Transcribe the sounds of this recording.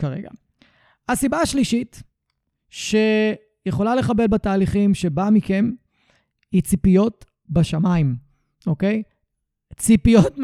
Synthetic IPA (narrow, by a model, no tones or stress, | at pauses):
kaʁe̞̰ɡa̰ | hasibaaʃliʃit | ʃe̞ | jeχo̞lale̞χabe̞lbataːliχimʃe̞bamike̞m | it͡sipijo̞t | baʃamaim | o̞ke̞j | t͡sipijot